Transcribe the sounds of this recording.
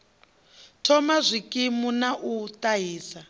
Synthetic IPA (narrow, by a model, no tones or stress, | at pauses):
tʰɔmazʷikʼimunaʔutʼaɦiːsa